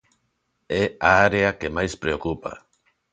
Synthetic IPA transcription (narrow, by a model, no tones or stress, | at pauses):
ɛaaɾeakemajspɾeokupa̰